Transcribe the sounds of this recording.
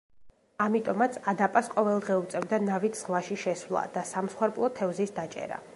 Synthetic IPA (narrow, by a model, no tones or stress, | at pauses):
amit̪ʼɔmat̪sʰad̪apʼasqʼɔvɛlˠd̪ʁɛut̪sʼɛvd̪anavit̪ʰz̥ʁlˠaʃiʃɛswlˠa̰d̪̥asamsχwɛɾpʼlˠɔt̪ʰɛvzisd̪at͡ʃʼɛ̰ɾa̰